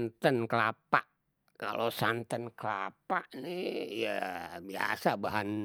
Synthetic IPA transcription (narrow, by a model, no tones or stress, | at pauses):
nt̪ənklapaʔ | ka̰losant̪ənkəlapaʔnijabia̰sabaɦan